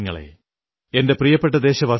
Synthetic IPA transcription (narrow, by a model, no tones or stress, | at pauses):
ŋːɐɭḛ | endeprijɐpːeʈ̬ːɐd̪eːɕɐʋɐ